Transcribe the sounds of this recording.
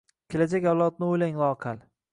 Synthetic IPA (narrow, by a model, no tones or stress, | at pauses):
kʲʰelad͡ʒakʲawlˠɒt̪̚nɪojlaŋlˠɒqʰal